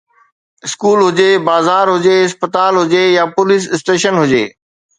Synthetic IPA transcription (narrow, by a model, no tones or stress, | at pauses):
ɪskuːlɦʊd͡ʑebaːzaːɾɦʊd͡ʑeɪspət̪aːlɦʊd͡ʑejaːpʊlɪs̬ɪsʈeːʃənɦʊd͡ʑeː